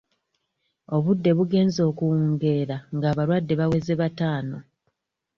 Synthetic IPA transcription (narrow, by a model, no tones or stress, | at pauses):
o̞βudːe̞βuɡe̞ːnzo̞ːkuwuŋɡe̞ːɾaŋɡaːβaɾwadːe̞βawe̞ze̞βataːno